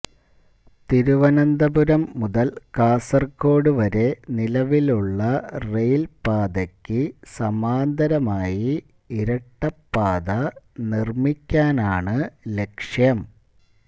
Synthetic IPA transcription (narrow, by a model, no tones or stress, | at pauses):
t̪iɾuʋɐnɐnd̪ɐbuɾɐmːuðɐlkaːsɐrko̞ːɽuʋɐɾe̞nilɐʋiluɭːɐrejlpaːd̪ɐkʲːɨsɐmaːnd̪ɐɾɐmaːji | iɾɐʈːɐpːaːd̪ɐnirmikʲːaːnaːɳɨle̞kʂjɐm